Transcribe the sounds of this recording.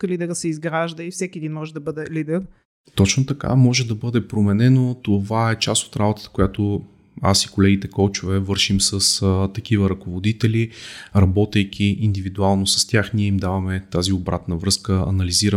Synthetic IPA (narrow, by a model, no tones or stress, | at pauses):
klid̪ɛɾsɛizɡɾaʒd̪əifsɛkʲiɛd̪inmɔʒɛd̪ɐbəd̪ɛlid̪ɛɾ | t̪ɔt͡ʃnot̪ɐka̰mɔʒɛd̪ɐbɤd̪ɛpɾomɛnɛnot̪ovaɛt͡ʃast̪o̥t̪ɾabot̪ə̥t̪ə̥kojat̪o | a̰sikolɛɡʲit̪ɛkɔlˠt͡ʃʊvɛvɤɾʃimsəst̪ɐk̟ivəɾɐkovod̪it̪ɛliɾɐbɔt̪ɛjkʲʰiind̪ivid̪ualˠnosɐ̥st̪ʲjaxniɛimd̪avɐmɛt̪aziobɾa̰t̪nəvɾɤskəɐ̰nɐliziɾə